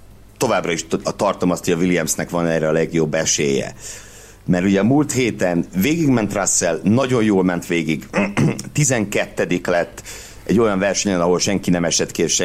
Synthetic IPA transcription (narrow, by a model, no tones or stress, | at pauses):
t̪o̞vaːbrɒiʃt̪ɒrt̪o̞mɒst̪hoɒvilijɛmsnɛkʋɒnɛːrɛɒlɛɡjo̞bːɛʃeːjɛ̰ | mɛɾuɟɛmult̪heːt̪ɛnveːɡiɡmɛnt̪rasːɛlnɒɟo̞jjoːlmɛnt̪ʋeːɡiɡt̪izɛŋkɛt̪ːɛd̪iklɛt̪ː | ɛɟːo̞jɒɱvɛrʃɛɲɛnɒɦo̞lʃɛŋkinɛmɛʃɛt̪kieʃɛ